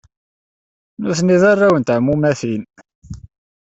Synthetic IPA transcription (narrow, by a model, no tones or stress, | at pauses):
nʊθniðarˤːawənt̪ʕmːumæθin